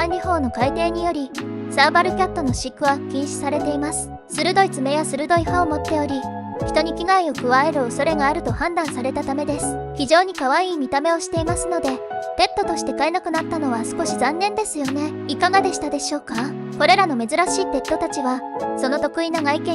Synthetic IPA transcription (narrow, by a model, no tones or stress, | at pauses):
aɲːihõ̞ːnːo̞kait̪e̞ːɲ̟ijo̞ɾʲisaːbaɾɯ̟kʲat̪ːo̞no̞ɕikːɯ̟βakʲĩɰ̃ɕi̥saɾe̞t̪e̞imasɨ̥ | sɨɾɯ̟d̪o̞it͡sɨme̞jasɨɾɯ̟d̪o̞iɸaomo̞t̪ːe̞o̞ɾʲi | çi̥t̪o̞ɲ̟ikʲiɡaio̞kɯ̟βae̞ɾɯ̟oso̞ɾe̞ɡaːɾɯ̟t̪o̞hãnd̪ãɰ̃saɾe̞t̪at̪ame̞d̪e̞sɨ̥ | çiʑo̞ːɲ̟ikaβ̞aiːmʲit̪ame̞o̞ɕi̥t̪e̞imasɨno̞d̪e̞ | t̪e̞t̪ːo̞t̪o̞ɕi̥t̪e̞kae̞nakɯ̟nat̪ːano̞βasɨ̥ko̞ɕizãnːẽ̞nd̪e̞sɨjo̞ne̞ikaɡad̪e̞ɕi̥t̪ad̪e̞ɕo̞ːka | ko̞ɾe̞ɾano̞me̞zɨɾaɕiːt̪e̞t̪ːo̞t̪at͡ɕiβaso̞no̞t̪o̞kɯ̟inaɡaikẽ